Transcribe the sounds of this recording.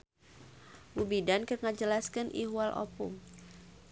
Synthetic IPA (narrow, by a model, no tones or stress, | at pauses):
bubidankərŋad͡ʒəlaskɨnʔḭɦwalʔo̰pṵm